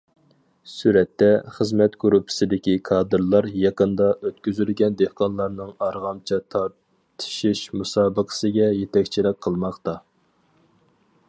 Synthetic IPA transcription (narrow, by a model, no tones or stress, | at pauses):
syɾɛt̪ːɛχəzmɛt̪ɡuɾupʰːɪ̥sɪd̪ɪkʲikʰɑːd̪ɨɾlˠɑɾjɑqənd̪ɑʔøt̪kʲyzylɡʲɛnd̪ehqʰɑnlˠɑɾnɨŋɑɾʁɑmt͡ʃʰɑt̪ʰɑɾ | t̪ʰɨ̥ʃiʃmusɑːbəqʰə̥sɨɡʲɛjet̪ʰɛkʲt͡ʃʰilɪk̚ʲqʰəlˠmɑχt̪ɑ